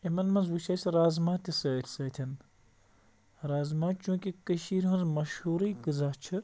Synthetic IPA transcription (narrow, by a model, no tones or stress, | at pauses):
imɐnmɐnzwut͡ʃʰɐːsɾaːzmaːt̪ʲisəːt̪ʰʲsɐːt̪ʲʰɐn | ɾaːzmaːt͡ʃũːkʲikəʃiːɾɦũnzmɐʃhuːɾiːɡɨzat͡ʃʰɨ